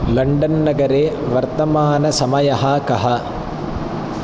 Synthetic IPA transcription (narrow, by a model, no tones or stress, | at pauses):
lɐɳɖɐnːɐɡɐɾeːʋɐɾt̪ɐmaːnɐsɐmɐjɐɦɐkɐɦɐ